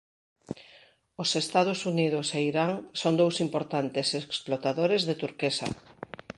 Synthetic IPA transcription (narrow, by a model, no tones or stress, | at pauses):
osest̪að̞ʊsunið̞ʊseiɾaŋsond̪owsimpoɾt̪ant̪eseksplot̪aðoɾezðet̪uɾkesa̰